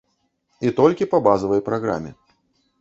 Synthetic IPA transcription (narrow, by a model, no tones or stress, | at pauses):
it̪ɔlʲkʲipɐbazɐvɐjpɾaɣɾa̰mʲɪ̰